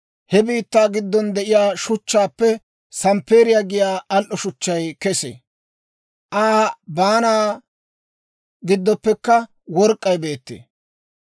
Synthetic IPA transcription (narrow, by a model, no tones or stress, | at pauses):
hɛbiːt̪ːaːɡɪd̪ːɔnd̪ɛʔɪjaːʃʊt͡ʃːaːpːɛ | sɐmpeːɾɪjaɡɪjaːɐlʔɔʃʊt͡ʃːɐjkɛsḛ | ʔaːbaːnaː | ɡɪd̪ːɔpːɛkːɐ | wɔɾkʼːɐjbe̞ːt̪ːḛː